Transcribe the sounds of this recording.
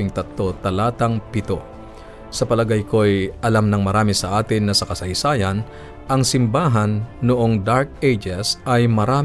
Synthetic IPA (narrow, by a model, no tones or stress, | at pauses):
ɪŋt̪ɐt̪lo̞t̪ɐlaːt̪ɐŋpɪt̪o̞̰ | sɐpɐlɐɡajko̞jʔɐlamnɐŋmɐɾaːmɪsɐʔaːt̪ɪnːɐsɐkɐsɐjsaːjɐn | ʔɐŋsɪmbaːɦɐnːʊʔo̞ŋd̪aɹk̚ejd͡ʒɛsɐjmɐɾaː